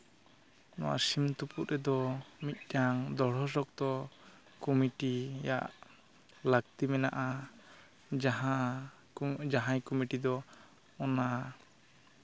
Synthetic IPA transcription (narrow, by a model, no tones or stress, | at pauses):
nɔ̰wa̰ɾsimt̪uputɾɛd̪ɔmit̪̚ˀdaŋd̪ɔɽ̤ɔsɔk̚t̪ɔ | kɔmiʈija̰ʔ | laɡ̚t̪imɛna̰ʔa | d͡ʒaɦa | d͡ʒaɦãjkɔmiʈid̪ɔ | ɔna